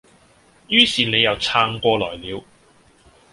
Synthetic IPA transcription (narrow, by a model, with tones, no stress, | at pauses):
jyː˥siː˨ne˨˧jɐ˨wt͡sʰaː˧ŋkʷɔː˧lɔ̰ː˨˩jliː˨˧w